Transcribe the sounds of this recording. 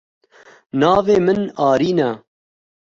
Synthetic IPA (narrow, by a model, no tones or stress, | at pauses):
nɑːveːmɨnɑːɾiːnɛ